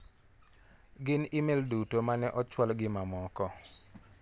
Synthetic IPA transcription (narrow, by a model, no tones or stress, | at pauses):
ɡɪnɪmeldutomanɛʔɔt͡ʃwɔlɡɪmamɔkɔ